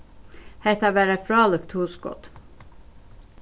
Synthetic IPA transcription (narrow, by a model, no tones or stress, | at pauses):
hɛt̪ɑʋæːɾəfɾɑːləkt̪huːskɔ̰t̪